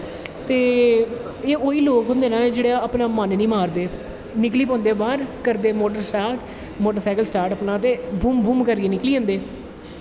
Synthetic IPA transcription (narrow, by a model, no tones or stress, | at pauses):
t̪eː | eːoːiːloːkɦʊ̃nd̪eːnãːd͡ʒeːɽeaːpnãːmaːnnĩːmaːɾd̪eː | nɪkliːp̬õːnd̪eːbaːɾkəɾd̪eːmoːʈəɾsʈaːɾʈ | moːʈəɾsaːkəlsʈaːɾʈəːpnãːt̪eːbuːmbʱuːmkəɾieːnɪkliːãːnd̪eː